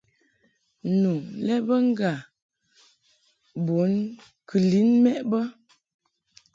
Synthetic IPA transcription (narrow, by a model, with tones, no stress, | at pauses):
nu˨lɛ˦bə˦ŋ˦ɡa˨ | bo˨˦n | kʰɨ˨li˨˦nmɛ˦ʔbə˦